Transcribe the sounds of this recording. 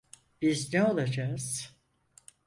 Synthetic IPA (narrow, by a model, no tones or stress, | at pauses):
b̥iznɛolˠad͡ʒaːz̥